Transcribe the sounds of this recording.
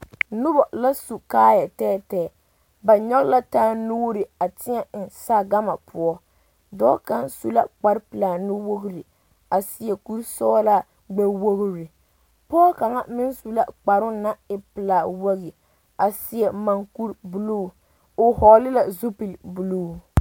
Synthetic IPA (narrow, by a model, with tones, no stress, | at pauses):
nʊ˦bɔ˨la˦su˨kaː˦ja˨tɛː˦tɛː˦˨ | ba˨ɲɔ˦ɣla˦taː˦nu˦ɾɪ˨a˨tɪ˦ɲɛ˦˨nsa˦ɡa˦ma˨pʊ˨ɔ˦ | dɔ̰ː˦ka˦nsu˦la˦k͡pa˨ɾpɨ˨laː˨nʊ˦wo˦ɡɾi˨ | a˨sɪ˨jɛ˨ku˦ɾsɔ˦a˦la˦ | ɡ͡bɛ˦wo˦ɣɾi˨ | pɔː˦ka˨ŋa˦mɪ˦nsu˨la̰˦k͡pa˨ɾʊ˦na˦ɪ˨pɨ˨la˨wa˦ɣi˨ | a˨sɪ˨jɛ˨ma˨ŋku˦ɾbu˨luː˦˨ | o˨hɔ˨lɪ˦la˨zu˦pi˨lbu˨luː˦˨